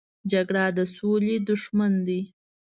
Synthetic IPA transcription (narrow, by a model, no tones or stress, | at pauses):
d͡ʒaɡɽad̪əsoled̪ʊʃmand̪i